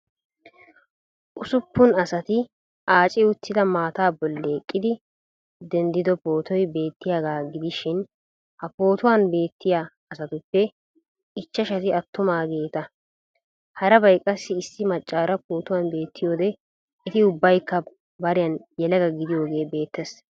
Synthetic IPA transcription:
ʔʊsʊpːʊnɐsɐt̪ɪ | ʔaːt͡ʃʼɪʊt̪ːɪd̪ɐmaːt̪aːbɔlːeːkʼːɪd̪ɪ | d̪ɛnd̪ɪd̪ɔpo̞ːt̪ɔjbe̞ːt̪ːɪjaːɡaːɡɪd̪ɪʃɪn | hɐpo̞ːt̪ʊwaːnbe̞ːt̪ːɪjaː | ɐsɐt̪ʊpːɛ | ɪt͡ʃːɐʃɐt̪ɪɐt̪ːʊmaːɡe̞ːt̪ɐ | hɐɾɐbɐjkʼːɐsːɪːsːɪmɐt͡ʃʼːaːɾɐpoːt̪ʊwanbe̞ːt̪ːɪjo̞ːd̪ɛ | ɪt̪ɪʊbːɐjkːɐ | bɐɾɪjɐnjɛlɐɡɐɡɪd̪ɪjo̞ːɡe̞ːbe̞ːt̪ːɛs

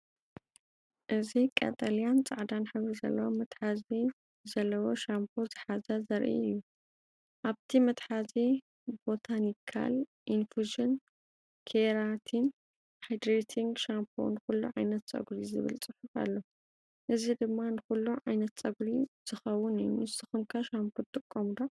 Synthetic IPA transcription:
ʔɨzikʼɐ̰t̪ʼɐlijant͡sʼaʕd̪anħɨβɾizɐ̰lːɐwomɐt̪ħazi | zɐlːɐwo̞ʃampʰozɨħazɐzɐɾʔḭɨ̰jːu | ʔaβt̪ʰimɐt̪ħazi | bo̞t̪ʰanikʰa̰lʔinfuʒɨn | kʰeɾat̪ʰin | hajd̪ɾet̪ʰiŋɡʃampʰo̰nɨxulːṵʕajnɐt̪t͡sʼɐ̰ɡɾizɨ̰βɨ̰lt͡sʼɨħufa̰lːo | ʔɨzid̪ɨmːanɨxulːuʕajnɐt̪t͡sʼɐɡɾiz̥ɨxɐwːʊnɨjːumɨst̪ʰɨxɨmkʰaʃampʰut̪ʼɨkʼːomd̪o

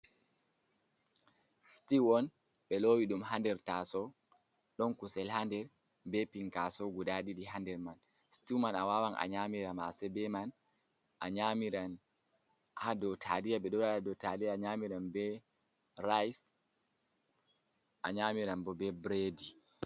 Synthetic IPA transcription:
stiwɔn | ɓɛlowiɗumɦandɛɾtasɔ | ɗɔnkusɛlhandɛɾ | bɛpiŋkasɔɡudaɗiɗiɦandɛɾman | stimanawawanʔa̰ɲamiɾama̰sɛbɛman | ʔaɲamiɾan | hadɔtʰadijaɓɛɗɔɾaadɔtadijaɲamiɾanbɛ | ɾajs | ʔaɲamiɾanbɔbɛbɾedi

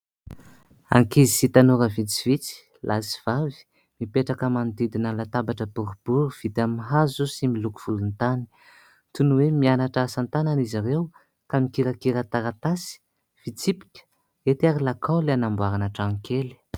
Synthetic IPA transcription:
a̰ŋkizisit̪anuɾəvit͡si̥v̥it͡si̥ | lʔasi̥v̥avi̥ | mipeʈ͡ʂakamand̪id̪inəlat̪abaʈ͡ʂəbuɾub̥uɾuv̥it̪amiɦazusimiluku̥v̥ulunt̪ani̥ | t̪unuwemianaʈ͡ʂaasant̪ananiziɾew | kamikiɾakiɾət̪aɾat̪asi̥ | v̥it͡sipi̥kʲə̥ | et̪iaɾilakʰawleanambwaɾanaʈ͡ʂaŋkʰeli̥

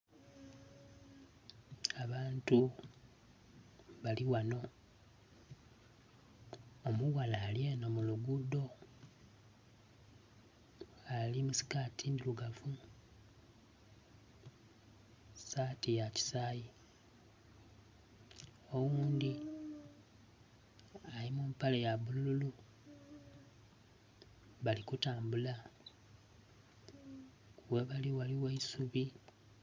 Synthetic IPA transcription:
aβaːntu | βaliwano̞ | omuɣalaːljenomuluɡudo̞ | alimusi̥katʰindiluɡafu | saːtijaci̥saːji | owuːnd̪i | alimuːmpalejaβulululu | βalikutaːmbula | weβaliwaliweisuβi

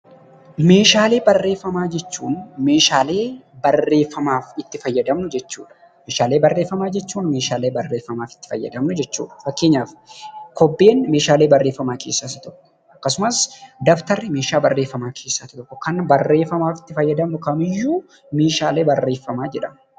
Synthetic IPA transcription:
me̞ːʃaːle̞ːbɐrːe̞ːfːɐmaːd͡ʒɛt͡ʃːuːnme̞ːʃaːle̞ːbɐrːe̞ːfːɐmaːfɪt̪ːɪfɐjːɐd̪ɐmnʊd͡ʒɛt͡ʃːṵːᶑɐ̥ | meːʃaːle̞ːbɐrːe̞ːfːɐmaːd͡ʒɛt͡ʃːuːnmeːʃaːle̞ːbɐrːe̞ːfːɐmaːfɪ̥t̪ːɪ̥fɐjːɐ̰d̪ɐmnʊd͡ʒɛt͡ʃːṵːᶑɐ̥fɐkːe̞ːɲːaːfkɔbːe̞ːnme̞ːʃaːleːbɐrːe̞ːfːɐmaːkʰe̞ːsːaːt̪ɐt̪ɔkːɔ̥ | ʔɐkːɐsʊmɐsd̪ɐft̪ɐɾːɪme̞ːʃaːbɐrːeːfːɐmaːkʰe̞ːsːaːt̪ɪt̪ɔkːɔkɐnbɐrːe̞ːfːɐmaːfɪ̥t̪ːɪfɐjːɐd̪ɐmnʊkɐmɪjːuː | me̞ːʃaːle̞ːbɐrːe̞ːfːɐmaːd͡ʒɛᶑɐm

